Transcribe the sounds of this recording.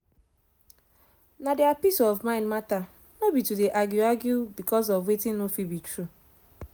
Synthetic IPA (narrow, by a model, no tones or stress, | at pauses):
nadiapisɔvmãɪ̃ndmata | nobitudeʔaɡjuaɡjubikʰɔz̬ɔvwetĩnnofibitɹu